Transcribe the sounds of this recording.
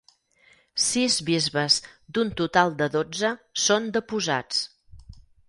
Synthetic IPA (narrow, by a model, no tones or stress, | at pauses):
sizβizβəzd̪unt̪ut̪alˠd̪əðod͡zəsond̪əpuza̰t͡s